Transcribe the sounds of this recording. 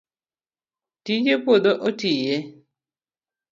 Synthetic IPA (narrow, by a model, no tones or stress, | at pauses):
tid͡ʒepodoʔotije